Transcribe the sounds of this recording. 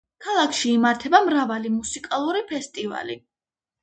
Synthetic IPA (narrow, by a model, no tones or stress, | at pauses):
kʰalˠakʰʃiːmaɾt̪ʰɛbamɾavalimusikʼalˠuɾipʰɛst̪ʼiva̰li